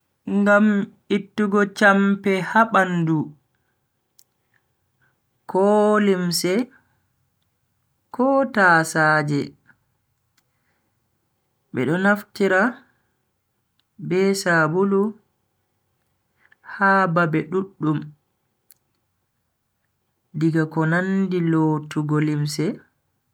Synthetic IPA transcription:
ŋɡam | itːuɡɔt͡ʃampɛhaɓandu | kɔlimsɛ | kɔːtaːsaːd͡ʒɛ | ɓɛ̰ɗɔnaftiɾa | bɛsabulu | haːbabɛɗuɗːum | diɡakɔnandilotuɡolimsɛ

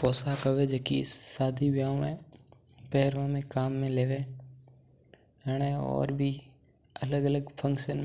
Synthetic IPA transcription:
pɔːsakəʋed͡ʒəːkiɪsːaːd̪ʱibjãːmẽ | pɛɦɾʋãmẽkaːmːẽleːʋẽː | ɾəɽ̃ẽɔ̰ːɾbʱi | ələɡələɡpʰə̃ŋkʃən

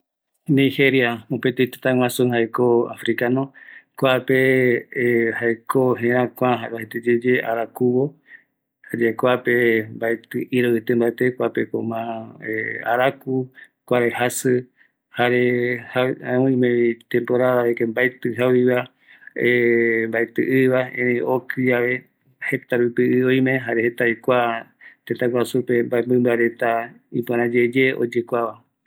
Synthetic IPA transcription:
nĩheɾjaopet̪ejt̪e̥t̪ãŋwãsõhaekoa̰fɾikanõkʷape | hajkoɦẽɾãkʷãɦaβahet̪ed͡ʒed͡ʒeʔa̰ɾakuβo | had͡ʒekʷapembaet̪ɨʔiɾowet̪embaet̪ekʷapeko̰mãea̰ɾaku | kʷaɾehasɨ | haɾehaãõĩmẽit̪ẽmpoɾaaɾekembaet̪ɨɦawiβa | embaet̪ɨʔɨβaẽɾẽjokʰɨd͡ʒaʋe̞ | he̞t̪aɾupiɨõj̃mẽɦaɾehet̪aikʷat̪et̪aɡwasupe̞mbaembɨ̃mbaɾe̞t̪a | ipoɾ̃ãd͡ʒed͡ʒe̞o̰d͡ʒekʷaβa

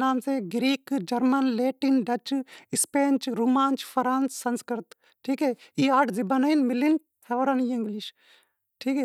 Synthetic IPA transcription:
naːmseɡɾiːkd͡ʒɐɾmɐnleːʈinɖɐt͡ʃispeːnt͡ʃɾuːmaːnt͡ʃpʰɐɾaːnsːɐnskəɾt̪ | ʈʰiːkeːiaːʈʰzibɐnɐinmilin | t̪ʰɐʋɾɐniːĩŋɡliʃ | ʈʰiːkeː

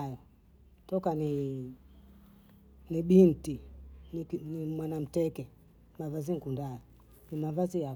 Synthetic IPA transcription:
jɔ | tɔkani | niɓintinnimwanam̩tɛkɛ | mavaziŋkundajɔ | nimavazija

